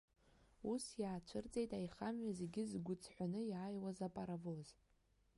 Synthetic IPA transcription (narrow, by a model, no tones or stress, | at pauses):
usjaːt͡ʃʷʰɨrt͡sʼejtʼajχamɥaze̞ɡʲɪzɡʷʊt͡sʰʼħʷᶣanɨjaːjwazapʼaɾavoz̥